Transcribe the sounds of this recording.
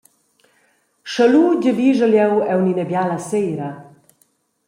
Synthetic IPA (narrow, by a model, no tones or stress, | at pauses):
ʃaluɟɛbiʒɛljɛwɛwninɛbjalasejɾa